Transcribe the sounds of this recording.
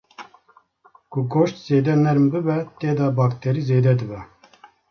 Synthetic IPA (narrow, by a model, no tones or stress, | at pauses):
kʊɡʰoʃt̪z̥eːd̪ɛnɛɾmbɨbɛt̪eːd̪ɑːbɑːkt̪ʰɛɾiːzeːd̪ɛd̪ɨbɛ